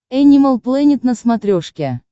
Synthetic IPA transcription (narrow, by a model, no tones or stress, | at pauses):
ɛnʲiməlˠplˠɛnʲɪt̪nəsmat̪ɾʲoʂkʲe